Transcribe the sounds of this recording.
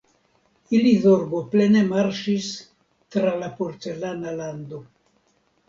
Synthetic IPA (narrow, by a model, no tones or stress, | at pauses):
iliðoɾboplenemaɾʃis | t̪ɾalapoɾt͡se̞lanaland̪o̞